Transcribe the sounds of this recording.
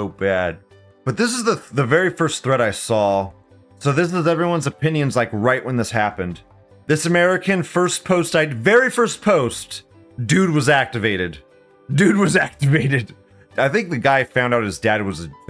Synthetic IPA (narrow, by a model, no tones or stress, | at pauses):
oʊbæd̚ | b̥ʌt̪̚ðɪs̬əzðəðɨvɛɹifɜ˞stθɹɛɾaɪsɔ | soʊðɪs̬ɨzɛvɹiwʌ̃nzɨpʰɪ̃njɨ̃nzlaɪkɹaɪʔwə̃nðɪshæpɨ̃nd̪ | ðɪsɨmɛɹɨkɨ̃nfɜ˞spʰoʊstaɪvɛɹifɜ˞spʰoʊst | d̥ʉd̚wʌzæk̚tɨveɪɾɨd | dʉd̚wʌzæk̚tɨveɪɾɨd̥ | aɪθɪ̃ŋk̚ðɨɡaɪfãʊ̃ndaʊɾɨzdæd̚wʌzɨ